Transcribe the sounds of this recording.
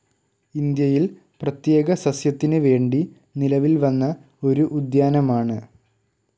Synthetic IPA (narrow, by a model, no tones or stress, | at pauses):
ind̪jɐjil | prɐt̪je̞ːɣɐsɐsjɐt̪ːinɨʋe̞ːɳɖi | nilɐʋilʋɐnːɐ | o̞ɾuʔud̪jaːnɐmaːɳɨ